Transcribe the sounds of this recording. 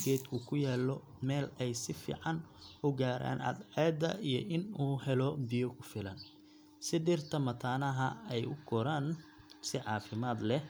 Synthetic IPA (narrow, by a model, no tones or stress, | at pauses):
ɡɛːd̪kʰʊkʰʊjɛːlɔ | mɛːlɛjsɪfḭːʕɑnʊɡaːɾa̰ːnʔɐ̰d̪ʕɛːd̪ɐʔijɔʔɪnuːhɛlɔbɪjɔkʰʊfɪlɐn | sɪd̪ɪrt̪ʰɐmɐt̪ʰaːnɐɦɐɛjʊɡʰɔɾaːn | sɪʕɑːfɪmaːd̪lɛ